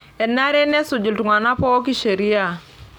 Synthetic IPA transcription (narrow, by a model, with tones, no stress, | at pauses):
ɛ˨na˦ɾɛ˦nɛ˦sʊ˨d͡ʒu˨ltu˨ŋa˨na˦pɔ˦ɔ˦k̬i˦ʃe˨ɾi˦a˨